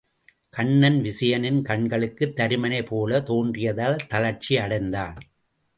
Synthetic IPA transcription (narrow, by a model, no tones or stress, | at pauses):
kɐɳːɐnʋɪsɐjɐnɪnkɐɳɡɐɭɯkːɯt̪ːɐɾɯmɐnɐɪpːoːlɐt̪oːndrɪjɐðaːlt̪ɐlɐɾt͡ʃiɐɽɐɪnd̪aːn